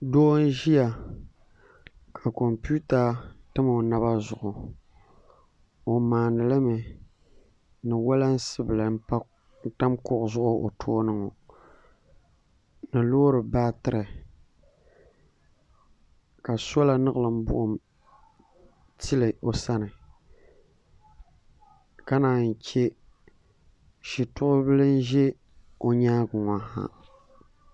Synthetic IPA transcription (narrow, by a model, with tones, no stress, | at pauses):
doː˦n˦ʒi˦ja˨ | kʰa˨ko˨mpu˦ta˨tɨ˦mɨ˨na˦βa˦zʊ˨ʔʊ˨ | o˨maː˨nɨ˨lɨ˦mɨ˨ | nɨ˨wa˦la˦n̩˦sɨ˦bɨ˨lɨ˨n̩˦pa˦ | n̩˦ta˦mkʊ˦ʔʊ˨zʊ˦ʔʊ˦ʔo̰˨tʰoː˦nɨ˦ŋo˨ | nɨ˨loː˦ɾɨ˨ba˦tɨ˦ɾɨ˨ | ka˨so˦la˨nɨ˦ɣɨ˨lɨ˨m̩˦bʊ̰˦ʔʊ˨m | ti˦lɨ˨ʔo˨sa˦nɨ˨ | ka˦naː˨n̩˨t͡ʃe˦ | ʃi˨tʊ˦ʔʊ˦bɨ˦lɨ˦n˦ʒɛ˦ | o˨ɲaː˦ɡʊ˨ŋa˨ha̰˦